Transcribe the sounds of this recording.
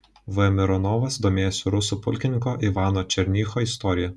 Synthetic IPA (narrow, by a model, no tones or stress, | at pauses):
ʋɨɛmʲɪɾɔnɔːʋɐsd̪oːmʲeːjoːsʲɪɾʊsuːpʊ̰lʲkʲɪnʲɪŋkoːʔiʋɑːnoːt͡ʃʲɛɾʲnʲiːxoːɪst̪ɔːɾʲɪjɛ